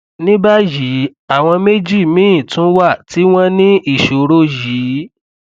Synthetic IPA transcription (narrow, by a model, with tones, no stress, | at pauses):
nĩ˦ba˦ji˨˦a˦˨w̃ɔ̃˧me˦d͡ʒi˦˨mĩ˦ĩ˦˨tũ˦wa˦˨tʰi˨˦w̃ɔ̃˦nĩ˦ʔi˦˨ʃo˨˦ɾo˦ji˨˦